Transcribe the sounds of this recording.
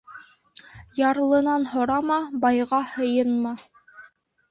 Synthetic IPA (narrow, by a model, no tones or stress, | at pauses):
jɑɾlˠɤ̆nɑnhŏɾɑmɑbɑjʁɑhɤ̆jɤnmɑ